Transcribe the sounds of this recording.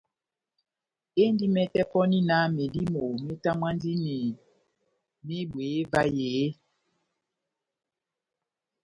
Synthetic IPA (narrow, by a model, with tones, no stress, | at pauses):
e˦n˦di˦mɛ˦tɛ˦pɔ˦ni˦na˦me˨di˦mo˨me˦ta˦mwa˦ndi˦ni˨ | me˦bwe˨˦va˦jeː˨˦